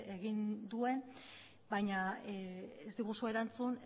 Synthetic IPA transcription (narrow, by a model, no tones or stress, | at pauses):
eɣind̪ue̞n | bajɲa | ezd̪iɣusue̞ɾant͡sun